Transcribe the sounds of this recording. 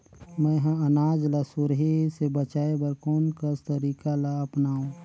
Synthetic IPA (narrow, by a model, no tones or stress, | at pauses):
mɛ̃ɦãɐnaːd͡ʒlasʊɾɦesebət͡ʃaːebəɾkoːnkəst̪əɾiːkalaɐpnaːũː